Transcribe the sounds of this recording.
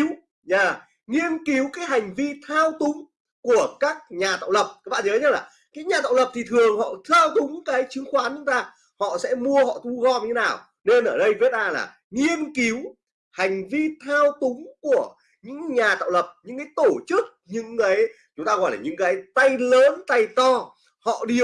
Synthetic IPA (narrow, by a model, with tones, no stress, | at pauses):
w | ɲaː˨˩ | ŋi˧ənki˨˦wkaː˨˦jɦa˨˩jŋ̟vi˧t̪ʰaː˧wt̪ʊ˨˦ŋ͡m | ku˧˩əkaː˦˥k̚ɲaː˨˩t̪a̰ː˧˨wlə˨˩p̚aː˨˦k̚ɓa̰ː˧˨˩əː˨˦ɲ̚˦˥laː˨˩ | kaː˨˦jɲaː˨˩t̪a̰ː˧˨wlə˨˩p̚t̪ʰi˨˩t̪ʰɨ˨˩əŋhɔ̰˧˨t̪ʰaː˧wt̪ʊ˨˦ŋ͡mkaː˨˦jt͡ɕɨ˨˦əŋxwaː˨˦nt͡ɕʊ˨˦ŋ͡mt̪aː˧ | hɔ̰˧˨sɛ̰˧˥mu˧əhɔ̰˧˨t̪u˧ɣɔ˧m̚ɲɨ˧e˦naː˨˩w | ne˧nʔəː˧˩ɗə˧jvi˨˦˥t̚ʔzaː˧˩la̰ː˨˩ | ŋi˧ənki˨˦w | ha˨˩jŋ̟vi˧t̪ʰaː˧wt̪ʊ˨˦ŋ͡mku˧˩ə | ɲɨ̰˧˥ŋɲaː˨˩t̪a̰ː˧˨wlə˨˩p̚ɲɨ̰˧˥ŋkaː˨˦jt̪o˧˩t͡ɕɨ˦˥k̚ɲɨ̰˧˥ŋkaː˨˦j | t͡ɕʊ˨˦ŋ͡mt̪aː˧ɣɔ̰˧˨jlaː˨˩ɲɨ̰˧˥ŋkaː˨˦jt̪a˧jləː˨˦nt̪a˧jt̪ɔ˧ | hɔ̰˧˨ɗi˧˩